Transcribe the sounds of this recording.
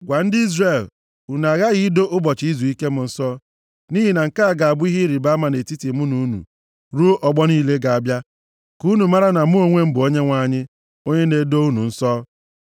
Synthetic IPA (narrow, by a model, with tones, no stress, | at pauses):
ɡʷa˨n̩˦dɪ˦i˦zre˨l | u˨na˨ɣa˦ɣi˦do˦ʔʊ˦bɔ˨t͡ʃi˦zu˨i˦ke˦mʊ˨n̩˦sɔ˦ | ni˦ɦi˨na˨ŋ̩˨ka˦a˦˨ɡa˨a˨bʊ˦i˦ɦi˦ɾi˨ba˦ma˨ne˨ti˦ti˨mu˦nu˨u˦nṵ˨ | ɾu˦o˦ʔɔ˨ɡ͡bɔ˦niː˦le˦ɡa˨a˨bja˦ | ku˦nu˨ma˦ɾa˦na˨mʊ˦o˦ŋʷe˦m̩˦bʊ˨o˦ɲe˦ŋʷa˨ɲɪ˦ | o˦ɲe˦ne˨˦do˦u˦nṵ˨n̩˦sɔː˦